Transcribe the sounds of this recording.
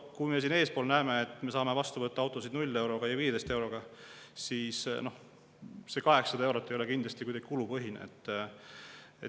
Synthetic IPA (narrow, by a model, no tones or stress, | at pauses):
kuime̞sineːspo̞ːlnæemeːt̪ːˑme̞sɑːmevɑst̪uvɤt̪ːɑɑwt̪ːˑo̞sid̪nulʲːe̞wɾo̞ɡ̥ɑjɑviːed̪̥est̪e̞wɾo̞ɡ̥ɑsiːsno̞h | se̞kɑɦe̞ksɑd̪ɑewɾot̪ˑːe̞jo̞le̞kind̪lɑst̪ikujd̪ɑɡ̥i̥kulupɤɦinḛt̪ˑː | e